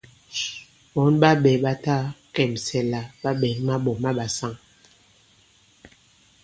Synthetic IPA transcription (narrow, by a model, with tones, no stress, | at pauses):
ɓɔ˨˦nɓa˦ɓɛ˨ɓa˦ta˦kɛ˨msɛ˨la˨ɓa˦ɓɛ˨ŋma˦ɓɔ˨ma˦ɓa˨sa˦ŋ